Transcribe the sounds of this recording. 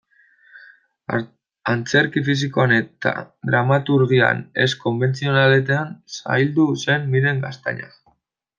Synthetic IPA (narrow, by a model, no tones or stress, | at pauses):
ant͡se̞ɾkifis̬ikoanet̪a̰ | ðɾamat̪uɾɣia̰ne̞̰sko̞mbe̞nt͡sio̞nalet̪̬eansa̰jld̪use̞nːiɾe̞ŋɡast̪a̰ɲa̰